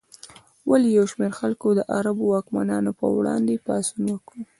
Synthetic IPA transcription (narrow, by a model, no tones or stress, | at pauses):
walejawʃmeɾxalkod̪əʔaɾabowɑkma̰nɑnopə̰wɽɑ̰nd̪epɑsunwəkɽu